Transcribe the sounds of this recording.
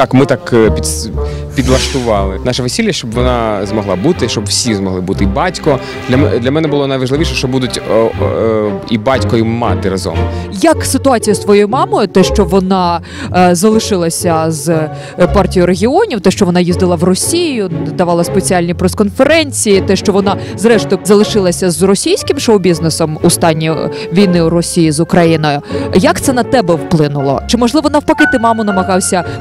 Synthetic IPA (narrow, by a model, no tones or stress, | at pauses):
t̪ɑkmɪt̪ɑkpʲipʲid̪lˠɐʃt̪ʊʋɑlˠɪnɑʃɐʋesʲilʲjɐʃt͡ʃɔbʋɔnɑzmɔɦlˠɑ̰but̪ɪʃt͡ʃɔbwsʲizmɔɦlˠɪbut̪ɪibɑtʲkɔ | d̥̪lʲɐmɛd̪lʲɐmɛnɛbʊlˠɔnɐjʋɐʒlɪʋiʃɛʃt͡ʃɔbud̪ʊtʲ | ḭbɑtʲkɔjimɑ̰t̪ɪɾɐzɔ̰mjɐksɪt̪ʊɑt͡sʲijɐst̪ʋɔjɔjʊmɑmɔjʊt̪ɛʃt͡ʃɔʋɔnɑ | zɐlˠɪʃɪlˠɐsʲɐz | pɑrtʲijʊɾeɦʲiɔnʲiwt̪ɛʃt͡ʃɔʋɔnɑjizd̪ɪlˠɐwrɔsʲijjʊd̪ɐʋɑlˠɐspet͡sʲialʲnʲipɾeskɔnfeɾɛnʲt͡sʲijit̪ɛʃt͡ʃɔʋɔnɑ | zɾɛʃt̪ʊzɐlˠɪʃɪlˠɐsʲɐzrɔsʲijsʲkɪmʃɔɔbʲiznesɔmʊst̪ɑnʲːi | ʋʲijnɪuɾɔsʲijizʊkɾɐjinɔjʊjɐkt̪sɛnɐt̪ɛbɛwplˠɪnʊlˠɔ̰t͡ʃɪmɔʒlˠɪʋɔnɑwpɐkɪt̪ɪmɑmʊnɐmɐɣɑwsʲɐ